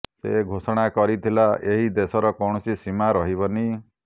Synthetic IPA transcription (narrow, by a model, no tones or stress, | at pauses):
sḛɡʱosɔɽ̃akɔɾit̪ʰilaeɦid̪esɔɾɔkɔwɳ̃ɔsisimaɾɔɦiβɔni